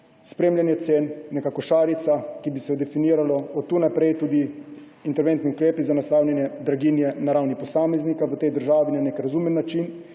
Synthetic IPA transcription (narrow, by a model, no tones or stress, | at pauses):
spɾeːmljanjɛt̪seːnːɛkakɔʃaːɾit̪sakibisɛd̪ɛfiniːɾalɔɔt̪ːunapɾɛjt̪uːd̪i | int̪ɛɾʋent̪niukɾeːpizanaslaːwlʲjɛnjɛd̪ɾaɡinjɛnaɾawnipɔsaːmɛznikaʋət̪ɛjd̪əɾʒaːʋinanekɾazumɛnːat͡ʃin